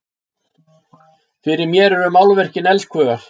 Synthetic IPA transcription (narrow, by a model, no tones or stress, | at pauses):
fɪɾɪɾmjɛːɾɛɾʏmawlvɛr̥cɪnɛlskʰvœːɣaɾ̥